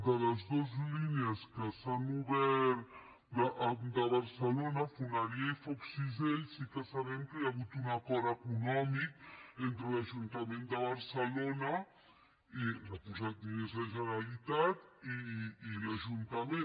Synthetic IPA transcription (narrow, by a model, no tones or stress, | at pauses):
d̪ələzd̪ozlineəskəsanuβɛɾ | d̪əʔd̪əβəɾsəlonəfunaɾiaifɔksizeʎsikəsaβɛmkəjaβut̪unɐkɔɾəkunɔmik̚ent̪ɾəlaʒunt̪əmend̪əβəɾsəlonə | iləpuzat̪linezðəʒənalit̪at̪iːlaʒunt̪əme